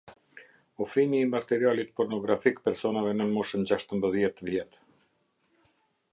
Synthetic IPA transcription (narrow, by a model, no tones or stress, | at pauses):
ufimiːmakt̪ɛɾialit̪pɔɾnɔɡɾafikpɛɾsɔnavɛnənmɔʃənd͡ʑaʃt̪əmbəðjɛt̪əvjɛt̪